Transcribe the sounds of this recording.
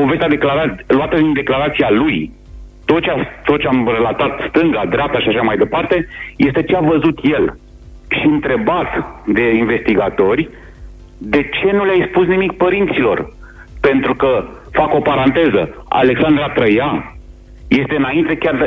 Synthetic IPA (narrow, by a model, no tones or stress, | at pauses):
po̞ve̞st̪ʲad̪e̞klaɾaluat̪əd̪ind̪e̞klaɾat̪sialuj | t̪o̞t̪t͡ʃast̪ot͡ʃeamre̞lat̪at̪st̪ɨŋɡad̪ɾap̚t̪aʃiaʃamajd̪e̞part̪e̞je̞st̪e̞t͡ʃeavəzut̪je̞l | ʃiɨnt̪ɾe̞bat̪d̪e̞inve̞st̪iɡat̪o̞rʲ | d̪e̞t͡ʃe̞nuleajspusnimik̚pəɾint̪silo̞r | pe̞nt̪ɾukə | fako̞paɾant̪e̞zəa̰le̞ksand̪ɾat̪ɾəja | je̞st̪eɨnaint̪e̞kʲar